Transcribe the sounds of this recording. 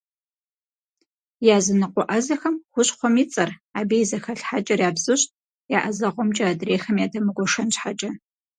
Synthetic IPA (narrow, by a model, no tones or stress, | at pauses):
jaːzɨnɨqʷɔʔɐzɐxɐmxʷʊɕχʷɔmit͡sʼɐraːbejzɐxɐɬħat͡ʃʼɐrjaːbzɨɕt | jaʔɐzɐʁʷɔmt͡ʃʼɐadreːxɐmjaːdɐmɨɡʷɔʂɐnɕħat͡ʃʼɐ